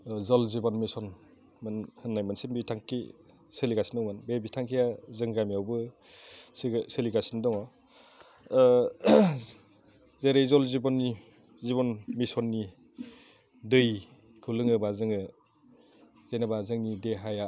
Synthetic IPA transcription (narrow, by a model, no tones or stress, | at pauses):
zɔlzibɔnmisɔn | mɯnhɯnːajmɯnsimbitʰaŋkḭ | seliɡasi̥nɯwmanbebitʰaŋkʰijazɯŋɡamijawbɯ | sseliɡasindɔŋɔ | zeɾejzɔlzibɔnːi | zibɔnmisɔnːi | dɯj | kʰulɯŋɯbazɯŋɯ | z̥enabazɯŋnideɦaja